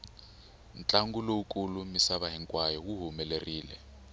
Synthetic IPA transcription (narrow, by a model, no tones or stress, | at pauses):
n̩t͡ɬʼaŋɡuloukʼulumisaβaɦiŋkʼwajɔwuɦumɛleriːlɛ̰